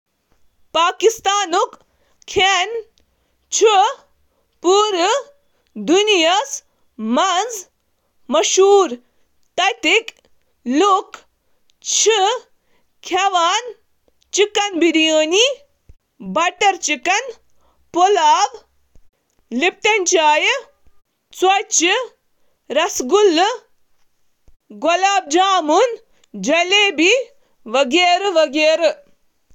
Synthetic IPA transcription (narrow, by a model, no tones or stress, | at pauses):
paːkist̪aːnuk | kʰen | t͡ʃʰi | puːɾ | d̪unijɐs | mɐnz | mɐʃuːɾ | t̪ɐt̪ik | luk | t͡ʃʰi | kʰaʋaːn | t͡ʃikɐnbiɾijəːni | bɐʈɐɾt͡ʃikɐn | polaːb | lip̚ʈɐnʲt͡ʃaːj | t͡swɐt͡ʃɨ | ɾɐsɡulː | ɡolaːb̚d͡ʒaːmun | d͡ʒɐleːbi | ʋɐɡeːɾɨʋɐɡeːɾɨ